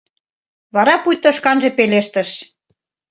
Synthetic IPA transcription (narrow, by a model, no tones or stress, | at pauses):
βɑɾɑpujt̪ə̆ʃkɑnʒĕpeleʃt̪ə̆ʃ